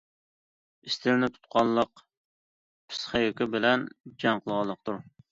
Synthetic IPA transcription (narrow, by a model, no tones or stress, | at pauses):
ɪst̪ʰɪɾnɪt̪ʰu̥t̪̚qʰɑnlˠəq | pʰɪ̥sχæjokʲɪbɪlɛnd͡ʒɑŋqʰəlˠʁɑnlˠːəq̚t̪ʰuɾ